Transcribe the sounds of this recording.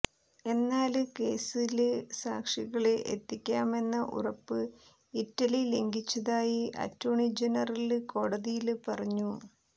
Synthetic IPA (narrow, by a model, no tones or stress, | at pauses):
e̞nːaːlɨke̞ːsilɨsa̰ːkʂiɣɐɭeʔḛt̪ːikʲːaːme̞nːɐʔṵrɐpːɨ | itːɐlile̞ŋɡit͡ɕːɐðaːjiʔɐ̰tːuːɳid͡ʑenɐrɐlɨko̞ːɽɐðijilpɐrɐɲːu